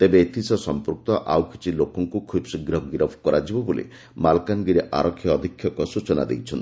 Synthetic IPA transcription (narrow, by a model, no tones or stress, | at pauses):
t̪ebeet̪ʰisɔsɔmpɾuk̚t̪ɔʔawkʰi̥t͡ʃʰilokɔŋkukʰubsiɡɾɔɡiɾɔbʰʱkɔɾad͡ʒibɔbolḭ | malkanɡiɾeʔa̰ɾɔkʰːjɔːd̪ʱikʰːjɔkɔsut͡ʃɔna̰d̪ḛjt͡ʃʰɔnt̪